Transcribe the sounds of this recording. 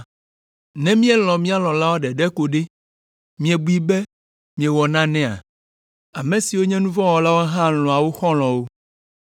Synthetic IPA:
nɛ̃˦mĩ˦ɛ˦l̃ɔ̃˨mĩ˦a˦lɔ̃˨la˦wo˦ɖɛ˨ɖɛ˦ko˨ɖe˦ | mĩ˦ɛ˨bu˦i˦bɛ˦ | mĩ˨ɛ˨wɔ˨nã˦nɛ̃˦a̰˨ | a˨mɛ̃˨si˨wo˦ɲɛ̃˦nũ˦vɔ̃˦wɔ˨la˦wo˦ɦã˦lɔ̃˨a˨wo˦xɔ̃˦l̃ɔ̃˨wo˦

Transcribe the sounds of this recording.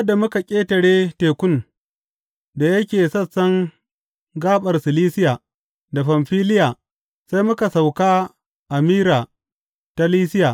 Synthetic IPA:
jɐ˦da˨mʊ˦ka˨kʲʼeː˦tɐ˨ɽeː˦teː˨kʷʊ˦n | da˨jɐ˦kʲeː˨sɐ˦˨sːɐ˦ŋ | ɡaː˦ɓɐ˨rsɪ˨liː˦sɪ˦jaː˨ | da˨ɸa˨mɸiː˦lɪ˦jaː˨ | sa˦jmʊ˦ka˨sa˨wkaː˦ | ʔa˨miː˦ɾaː˨ | ta˦liː˦sɪ˦jaː˨

